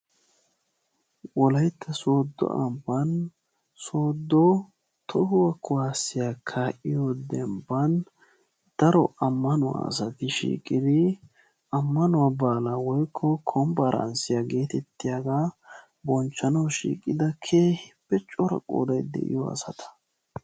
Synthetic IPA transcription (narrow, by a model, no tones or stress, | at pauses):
wɔlɐjt̪ːɐsoːd̪ːɔ̰ʔɐ̰mbɐn | soːd̪ːɔ | t̪ʰɔhʊwɐkʰʊwaːsːɪjakʰːaʔɪjod̪ɛmbɐn | d̪̥ɐɾɔɐmːɐnʊwa̰ɐ̰sɐt̪ɪʃḭːkʼɪd̪ɪ | ʔɐmːɐnʊwabaːlawɔjkʰːɔkʰɔmbɐɾɐ̰nsɪjaɡe̞ːt̪ɛt̪ːɪjaːɡaː | bɔnt͡ʃːɐnɐwʃḭːkʼɪd̪ɐkʰeːhpːɛt͡ʃʼːɔɾɐ̰kʼo̰ːd̪ɐjd̪ɛ̰ʔɪ̰jɔ̰ɐ̰sɐt̪ʰɐ̥